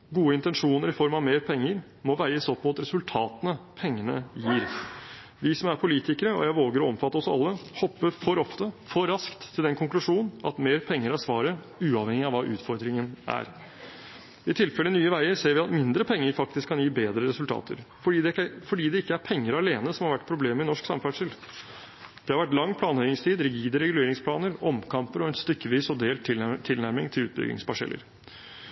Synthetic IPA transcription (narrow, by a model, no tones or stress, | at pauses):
ɡuːəɪnt̪ɛnʂuːnəɾɪfɔɾmɑʋmeːɾpʰɛŋːəɾ | mɔʋæɪəsɔpʰːɔɑt̪ɾɛsʉlt̪ʰɑːt̪ənəpʰɛŋːənə̰jiːɾ | ʋɪsɔmæɾpʰʊliːt̪ɪkəɾəɔ̰jæɪʋoːɡəɾɔɔmfɑt̪ːəɔsɑ̰lːəhɔpːəɾfɔɾɔft̪əfɔɾɑskt̪ʰːɪld̪ɛnkʰʊŋklʉʂuːnn̩ɑt̪meːɾpʰɛŋːəɾæsʋɑːɾə | ʉːɑʋhɛŋɪɑʋɑːʔʉ̰ːt̪fɔɾd̪ɾɪŋənæ̰ɾ | ɪt̪ʰɪlfɛlənyːəʋæɪəɾseːɾʋɪɑt̪mɪnd̪ɾəpʰɛŋːəɾfɑk̚t̪ɪskʰːɑnjiːbeːd̪ɾəɾɛsʉlt̪ʰɑ̰ːt̪ə̰ɾfɔɖiːd̪ɛfɔɖiːd̪ɛɪkːəæɾpʰɛŋːəɾɑleːnəsɔmhɑɾʋæʈ̚ːpʰɾʊbleːmɪnɔʂksɑ̰mfæʂəl | d̪̥ɛhɑɾʋæʈːlɑŋːpʰlɑːnœʏɪŋst̪ʰiːd̪ɾɪɡiːd̪əɾɛɡʉleːɾɪŋspʰlɑːnəɾɔmkʰɑmpəɾɔɛnst̪ʏkːəʋiːsɔd̪eːlt̪ʰɪt̪ʰɪlnæɾmɪŋt̪ʰɪlʉ̰ːt̪bʏ̰ɡɪ̰ŋsbɑʂɛ̰lːə̰ɾ